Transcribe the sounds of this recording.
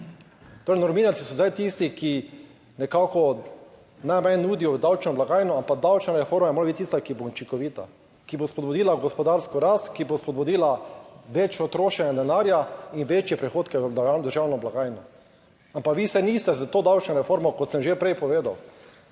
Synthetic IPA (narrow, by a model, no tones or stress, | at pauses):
t̪oːɾɛjnɔɾmiːnaltsi̥sɔzajt̪ist̪iki | nɛkaːkɔ | najmajːuːd̪ijɔd̪awt͡ʃnɔblaɡaːjnɔampaɡ̚d̪awt͡ʃnaɾɛfoːɾmajɛmoɾabit̪ːist̪akibout͡ʃiŋkɔʋiːt̪a | kibospɔd̪bud̪iːlaɡɔspɔd̪aɾskɔɾast̪kibospɔd̪bud̪iːlaʋet͡ʃjɔt̪ɾoːʃɛnjɛd̪ɛnaːɾjainʋet͡ʃjɛpɾɛxoːt̪kɛdad̪əɾʒaːwnɔblaɡaːjnɔ | ampakʋisɛniːst̪ɛzat̪oːd̪awt͡ʃnɔɾɛfoːɾmɔkɔt̪səmʒepɾɛjpɔʋeːd̪aw